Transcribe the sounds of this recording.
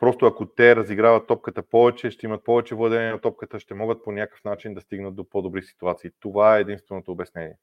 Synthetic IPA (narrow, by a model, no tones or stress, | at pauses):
pɾɔst̪oɐkot̪ɛɾɐziɡɾavət̪ːɔp̚kət̪əpɔvɛt͡ʃɛʃt̪ɛimət̪̚pɔvɛt͡ʃɛvlˠɤd̪ɛnɛnɐt̪ɔp̚kət̪əʃt̪ɛmɔɡət̪̚ponʲjakə̥fnat͡ʃind̪ɐst̪iɡnət̪̚d̪opod̪obɾisi̥t̪uat̪siːt̪ovaɛːd̪inst̪vɛnot̪oːbɛsnɛnʲḭɛ